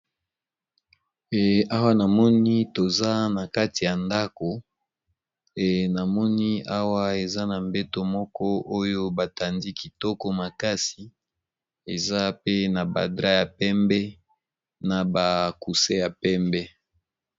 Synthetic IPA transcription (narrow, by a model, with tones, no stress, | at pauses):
ɛ˨a˦wa˦na˨mɔ˦ni˦to˨za˦na˨ka˦ti˨ja˨nda˦ko˨ | e˨na˨mɔ˦ni˦a˦wa˦e˨za˦na˨mbɛ˦to˦mɔ˦kɔ˦o˦jo˦ba˨ta˨ndi˦ki˨tɔ˦ko˦ma˨ka˦si˨ | e˨za˦pe˦na˨ba̰˨dʁa˦ja˨pɛ˦mbɛ˦ | na˨ba˨ku˨se˦ja˨pɛ˦mbɛ˦